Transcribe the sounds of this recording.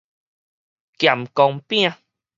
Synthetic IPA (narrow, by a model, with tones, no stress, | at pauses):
kja˨˩mkɔ˧ŋpĩ˦ã˧